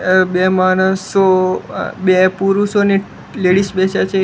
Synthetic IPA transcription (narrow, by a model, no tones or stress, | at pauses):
bemañəso | bepuɾuʃone | leɽiʃbɛt͡ʃat͡ʃʰe